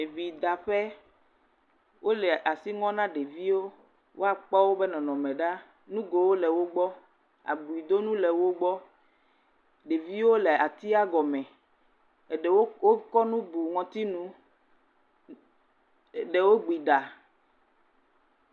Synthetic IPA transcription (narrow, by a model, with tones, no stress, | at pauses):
e˨vi˨d̪a˨ɸɛ˦ | wo˦lɛ˨ʔa˨si˦ŋɔ̃˦nã˦ɖe˨vi˦wo˦ | wo˦a˦k͡pɔ˦wo˦bɛ˦nɔ̃˨nɔ̃˨mɛ̃˨ɖa˦ | nũ˦ɡo˨wo˦lɛ˨wo˦ɡ͡bɔ˦ | a̰˨bu˨i˨d̪o˦nũ˦lɛ˨wo˦ɡ͡bɔ˦ | ɖe˨vi˦wo˦le˨a˨t̪i˦a˦ɡɔ˨mɛ̃˨ | e˨wo˦wo˦kɔ˦nũ˦bu˨ŋɔ̃˨t̪i˦nũ˦˨ | ɖe˨wo˦ɡ͡bi˨ɖa˨